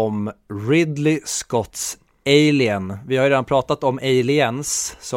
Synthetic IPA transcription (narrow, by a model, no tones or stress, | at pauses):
ɔmɾɪd̪lɪskɔt̪s | ejlɪənvɪhaɾjɾeːd̪anpʰɾɑːt̪at̪ɔmeɪlɪənsːɔ